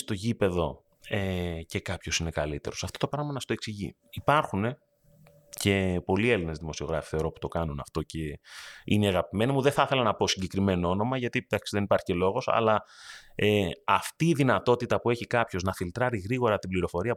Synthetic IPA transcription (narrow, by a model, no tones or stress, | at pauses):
st̪o̞ʝipe̞ðo̞ | ece̞kɐpço̞sine̞kɐlit̪e̞ɾo̞sɐft̪o̞t̪o̞pɾɐɣmɐnɐst̪o̞e̞ksiʝḭ | ipɐɾxune̞ | ce̞po̞lie̞line̞zðimo̞sio̞ɣɾɐfi̥θe̞ɾo̞pu̥t̪o̞kɐnunɐft̪o̞ce̞ḭneɐɣɐpime̞nimuðeθɐθe̞lɐnɐpo̞siɲɟekɾime̞noo̞no̞mɐʝɐt̪it̪ɐksiðe̞nipɐɾçielo̞ɣo̞sɐ̰lɐ | eɐft̪iːðinɐt̪o̞t̪it̪ɐpue̞çikɐpço̞znɐfilt̪ɾɐɾiɣɾiɣo̞ɾɐt̪ibliɾo̞fo̞ɾiɐ